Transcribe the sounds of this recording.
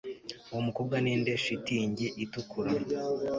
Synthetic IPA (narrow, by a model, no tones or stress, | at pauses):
uwomuko̞ːbɡanindeʃitiːɲɟeʔitukʰuɾa